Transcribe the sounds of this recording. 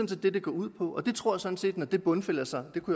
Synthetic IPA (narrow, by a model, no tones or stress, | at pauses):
n̩se̝ld̥e̝d̥e̝ɡ̥ɒ̰ːuð̰ˠpʰɒ̽ʔɒ̽d̥e̝t͡sʰʁo̝ɐ̰jɑsɒ̽n̩se̝̰ːd̥nɒd̥e̝b̥ɔ̽nfel̰ɐsɑ̈ɪd̥e̝kʰuj